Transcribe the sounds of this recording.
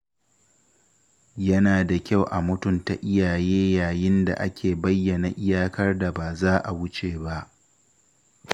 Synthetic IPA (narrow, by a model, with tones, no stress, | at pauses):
jɐ˦naː˨da˨kʲa˦˨wʔa˨mʊ˦tʊ˦˨nta˨ʔɪ˦jaː˨jeː˦jaː˨jɪ˦nda̰˨ʔa˦kʲʰeː˨bɐ˦jːɐ˨na˨ʔɪ˦jaː˦kɐ˦rda˨baː˨zaː˦ʔa˨wʊ˦t͡ʃeː˨ba˦ʔ